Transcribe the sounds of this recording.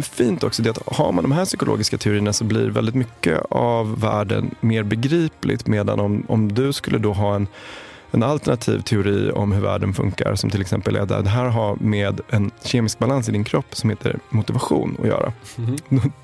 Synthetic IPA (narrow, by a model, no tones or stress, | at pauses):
fiːnt̪ɔksɔd̪ɛat̪haɾmand̪ɔmɦæːʂʏkʊlo̰ːɡɪskat̪ʰɛʊɾiːənasɔblḭːɾvɛ̰ld̪ɪt̪mʏkːə̰avːæːɖə̰nmeːɾbɛɡɾiːplɪ̰t̪meːd̪a̰nɔmɔmd̪ɵskɵlːəd̪ɔɦɑːɛn | ɛnalt̪ɛɳat̪ʰḭːvt̪ʰɛʊɾiːɔ̰mɦɵɾvæːɖənfɵŋkaɾsɔmt̪ʰɪlɛksɛmpəlʔḛːd̪ə̰d̪ɛɦæːɾɦaɾmeːd̪ɛnɕeːmɪsk̚balans̬ɪd̪ɪnkʰɾɔpːsɔmheːt̪ʰə̰ɾmʊt̪ɪvaɧuːnɔ̰jœ̰ːɾʔa̰